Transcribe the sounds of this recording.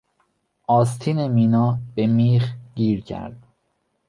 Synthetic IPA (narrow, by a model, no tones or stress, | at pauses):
ʔɒːst̪ʰiːnemiːnɒːb̥emiːxɟiːɾcʰæ̰ɾd̪̥